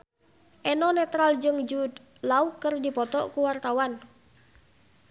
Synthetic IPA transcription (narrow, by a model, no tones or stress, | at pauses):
ʔɛnɔnɛt̪ɾald͡ʒɨŋd͡ʒud̪ | laukərdipɔt̪ɔ̰ʔkuwart̪awan